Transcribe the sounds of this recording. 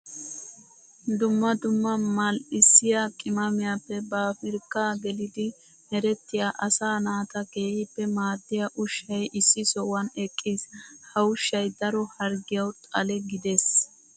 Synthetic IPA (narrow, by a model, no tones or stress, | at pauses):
d̪ʊmːɐd̪ʊmːɐmɐlɪsːɪjakʼɪmɐmɪjapːɛbafɪɾkːaːɡɛlɪd̪ɪ | nɛɾɛt̪ːɪjaːʔɐsaːnaːt̪ɐke̞ːhɪpːɛmaːd̪ːɪjɐʔʊʃːɐjʔɪsːɪsɔwɐnɛkʼːiːshɐʊʃːɐjd̪ɐɾɔhɐɾɡɪjɐwt̪ʼɐlɛɡɪd̪es